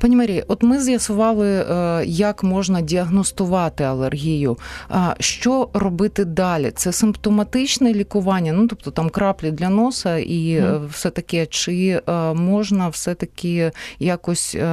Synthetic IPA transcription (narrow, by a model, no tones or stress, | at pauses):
panʲimɐɾʲijʔɔt̪mɪzjɐsʊʋɑlˠɪjɐkmɔʒnɐdʲiɐɦnɔst̪ʊʋɑt̪ɪɐlˠerɦʲijʊʃt͡ʃɔrɔbɪt̪ɪd̪ɑlʲḭt̪sɛsɪmpt̪ɔmɐt̪ɪt͡ʃnɛlʲikʊʋɑnʲːɐnut̪ɔp̚t̪ɔt̪ɑmkɾɑplʲid̪lʲɐnosɐʔiwsɛt̪ɐkʲɛt͡ʃɪmɔʒnɐwsɛt̪ɐkʲɪjakɔsʲ